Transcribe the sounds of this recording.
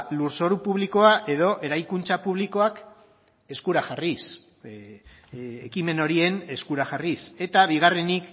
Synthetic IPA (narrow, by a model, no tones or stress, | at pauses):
luɾso̞ɾupuβliko̞aʔe̞ðo̞ʔe̞ɾajkunt͡sapuβ̞liko̞ak | e̞skuɾaxaris | ekime̞no̞ɾie̞ne̞skuɾaʝarise̞t̪aβ̞iɣ̞are̞nik